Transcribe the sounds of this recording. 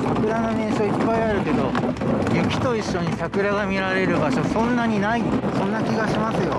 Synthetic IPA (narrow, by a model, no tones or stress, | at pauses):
sakɯ̟ɾanomẽːɕoipːaiaɾɯ̟ke̞d̪o̞̰ | jɯ̟kʲi̥t̪o̞iɕːo̞ɲ̟isakɯ̟ɾaɡamʲiɾaɾe̞ɾɯ̟ɡaɕosõ̞nːaɲ̟inaisõ̞nːakʲiɡaɕimasɨjo̞̰